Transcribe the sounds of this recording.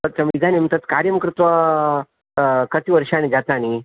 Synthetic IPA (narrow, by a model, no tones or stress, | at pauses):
ət͡ɕamid̪ʱanimt̪ət̪kaɾjəmkɾut̪ʋa | kət̪iʋəɾʂaːnid͡zat̪aːñi